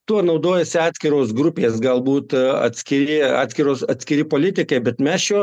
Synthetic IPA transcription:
t̪uɔnɐʊd̪oːjɛsʲɪɑːt̪ʲsʲkʲɪɾoːsɡɾʊpʲeːsɡɐlˠbuːt̪ɐ̰t̪ʲsʲkʲɪɾʲɪɑ̰ːt̪sʲkʲɪɾoːsɐt̪sʲkʲɪɾʲɪpoːlʲɪt̪ʲɪkɐɪbʲɛt̪mʲæːsjoː

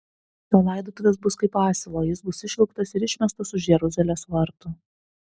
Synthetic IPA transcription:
t̪ʲoːlˠɑˑɪd̪oːt̪ʊʋʲeːsbʊskɐɪpɑːsʲɪlˠoːjɪsbʊsɪʃʲlʲˠʊkt̪ɐsɪɾɪʃʲmʲɛst̪ɐsʊʒjɛɾʊzʲɛlʲeːsʋɐɾt̪ʊ

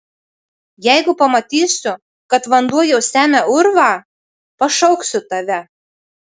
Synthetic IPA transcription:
jæɪɡʊpɐmɐt̪ʲiːsʲʊ | kɐt̪ʋɐnd̪uɔjɛʊsʲæːmʲæʊɾʋɑː | pɐʃɒʊksʲʊt̪ɐʋʲɛ

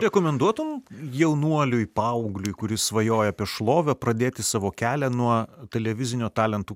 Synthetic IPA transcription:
ɾʲɛkoːmʲɛnd̪uɔt̪ʊmjɛʊnuɔlʲʊjpɑʊɡlʲʊjkʊɾʲɪsʋɐjoːjɛɐpʲiɛʃlˠoːʋʲopɾɐd̪ʲeːt̪ʲɪsɑːʋoːkʲæːlʲɛnuɔt̪ʲɛlʲɛʋʲɪzʲɪnʲʊt̪ɑːlʲɛnt̪uː

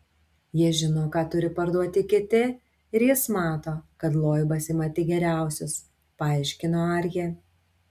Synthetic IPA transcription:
jiɛʒʲɪnoːkɑːt̪ʊɾʲɪpɐɾd̪uɔt̪ʲɪkʲɪt̪ʲɪ | ɪɾjɪsmɑːt̪oːkɐt̪lˠoːjbɐsʲɪmɐt̪ʲɪɡʲɛɾʲæˑʊsʲʊs | pɐɑˑɪʃʲkʲɪnoːɐɾʲje

